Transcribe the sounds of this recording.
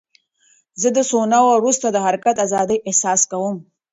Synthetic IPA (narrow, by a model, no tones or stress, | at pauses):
zəd̪əsonawaɾust̪ad̪əɦaɾkat̪azɑd̪əjʔehsɑskawum